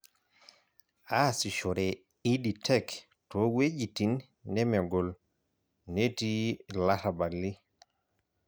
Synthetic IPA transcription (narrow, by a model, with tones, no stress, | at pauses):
a˦si˨ʃɔ˨ɾe˨ | i˦di˨tʰɛ˦k | tɔwe˦d͡ʒi˨ti˨nː | ɛ˦mɛ˨ɡɔ˨l | ne˦ti˦la˦ɾa˨ba˨li˦